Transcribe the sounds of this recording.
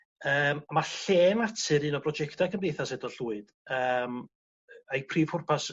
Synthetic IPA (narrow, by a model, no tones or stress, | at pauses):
əmamaɬeːmatʰɨɾɨnɔbrɔd͡ʒɛktʰakʰəmdejθasɛdɔɬuːɨd̥əːm | ajpʰriːv̥hʊrpʰas